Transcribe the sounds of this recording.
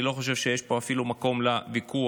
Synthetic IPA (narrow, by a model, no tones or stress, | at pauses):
ilo̞χoʃ̬e̞vʃejeʃpo̞afilumako̞mlaviku